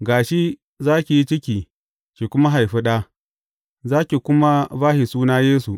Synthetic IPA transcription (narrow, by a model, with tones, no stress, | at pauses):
ɡaː˨ʃi˦ | zaː˦kʲi˨ji˦t͡ʃɪ˦kʲiː˨ | ʃi˨kʷʊ˦ma˦ɦa˨jɸi˦ɗa˦ | zaː˦kʲi˨kʷʊ˦ma˦baː˦hi˨suː˦naː˦jeː˦su˨ʔ